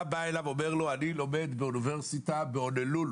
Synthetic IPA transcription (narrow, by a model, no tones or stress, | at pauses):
baelavomɛʁloanilomɛd̪beunivɛʁsit̪abeɔnelul